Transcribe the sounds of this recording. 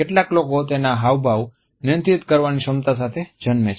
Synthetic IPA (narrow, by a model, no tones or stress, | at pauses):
eʈlaklokot̪enaɦaʋbʱaʋ | nɪənt̪it̪kəɾʋaniʃəmt̪as̬at̪ʰed͡ʒənmet͡ʃ